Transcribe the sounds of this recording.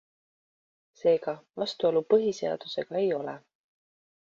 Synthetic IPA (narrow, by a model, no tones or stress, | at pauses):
se̞ːɡ̥ɑvɑst̪uolupɤɦise̞ɑ̰d̪̥use̞ɡ̥ɑe̞jo̞lḛ